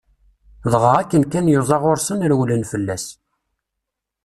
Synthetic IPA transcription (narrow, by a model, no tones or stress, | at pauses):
ðˤʁəʁækːənkænjoðˤɑʁoɾsənɾwlənfəlːæs